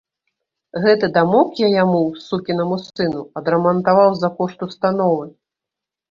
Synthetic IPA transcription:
ɣɛt̪ɨd̪amɔkjajamuwsukʲinɐmusɨnuɐd̪ɾɐmɐnt̪avawzɐkɔʂt̪ust̪anɔvɨ

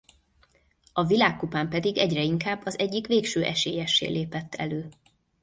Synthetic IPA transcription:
ɒvilaːkːupaːmpɛd̪iɡɛɟrɛiŋkaːbːɒzɛɟːikʋeːkʃøːʔɛʃeːjɛʃːḛːlʔeːpɛt̪ːɛ̰løː

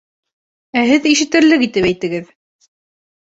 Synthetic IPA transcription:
æhɘðiʃɘ̆t̪ɘ̆ɾlɘkit̪ɘpæjt̪ɘ̆ɡɘð

